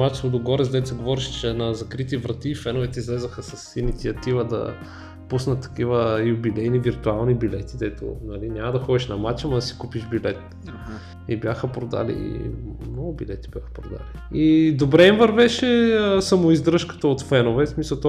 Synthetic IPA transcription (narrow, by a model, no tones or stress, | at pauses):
mat͡ʃ̪vod̪oɡɔɾɛzd̪ɛt̪sɛɡovɔɾiʃt͡ʃɛnɐzɐkɾit̪ivɾɐt̪iːfɛnovɛt̪ɛizlɛzəxəsɐsinit̪siɐt̪ivəd̪ɐ̰ | pusnət̪ːɐ̥kivəjubilɛjniviɾt̪ualˠnibilɛt̪id̪ɛt̪o̰nɐlinʲamɐd̪ɐxɔd̪iʃnɐmat͡ʃɐmɐd̪ɐsi̥kupiʃbilɛt̪ | ibʲjaxəpɾod̪a̰lḭmnɔɡʊbilɛt̪ib̥ʲjaxə̥pɾod̪a̰liid̪obɾɛimvɐɾvɛʃɛsəmoizd̪ɾɤʃkə̥t̪əot̪fɛnovɛsmisəlˠt̪ɔ